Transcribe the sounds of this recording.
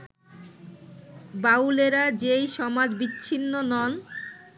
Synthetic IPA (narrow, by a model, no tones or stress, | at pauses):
bawleɾad͡ʑejʃɔmad͡ʑbitːɕʰinːonɔn